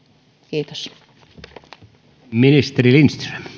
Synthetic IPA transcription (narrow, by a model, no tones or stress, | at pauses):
kiːt̪o̥s | minist̪eɾilinst̪røm